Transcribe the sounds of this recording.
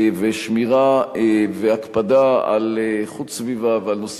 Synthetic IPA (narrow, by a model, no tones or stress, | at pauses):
veʃmiʁaveakpad̪aa̰leχut͡ssvivavealnos